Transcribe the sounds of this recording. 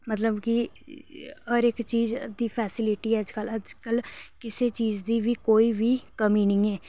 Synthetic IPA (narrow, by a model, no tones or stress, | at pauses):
mət̪ləbkɪ | əɾɪkt͡ʃiːzd̪iːpʰɛːsɪlɪʈiːɛːd͡ʒkələd͡ʒkəlkɪseːt͡ʃiːzd̪iːʋiːkoːiːʋiːkəmiːnɪ̃ːɛː